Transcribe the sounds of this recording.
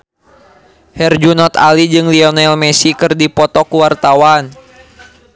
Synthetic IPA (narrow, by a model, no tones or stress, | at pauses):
hɛrd͡ʒunɔt̪a̰lid͡ʒɨŋliɔnɛlmɛsikɨrdipɔt̪ɔkuwart̪awan